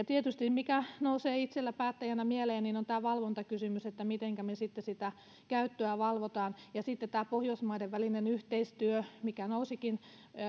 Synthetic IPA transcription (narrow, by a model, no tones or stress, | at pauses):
jɑt̪iet̪yst̪immikænouseːit̪selːæpæːt̪ːæjænæmieleːniːnont̪æːʋɑlʋont̪ɑkysymyset̪ːæmit̪eŋkæmesit̪ːesit̪æ | kæyt̪ːøæʋɑlʋot̪ɑːnjɑsiˑt̪ːet̪t̪æːpohjoismɑideʋʋælinenyht̪eist̪yømikænousikin